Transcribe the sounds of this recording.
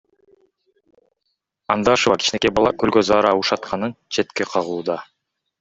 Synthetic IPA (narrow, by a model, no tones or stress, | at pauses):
ɑnd̪ɑʃɯvɑkʰi̥t͡ʃnekebɑlˠɑkølɡøzɑːɾɑuʃɑt̪qʰɑnɯnt͡ʃʰe̞t̪keqʰɑʁuːd̪ɑ